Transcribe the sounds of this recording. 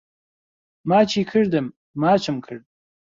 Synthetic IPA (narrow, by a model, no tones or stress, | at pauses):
maːt͡ʃʰiːkʰɨrdɨmː | aːt͡ʃʰɨmkʰɨrd̚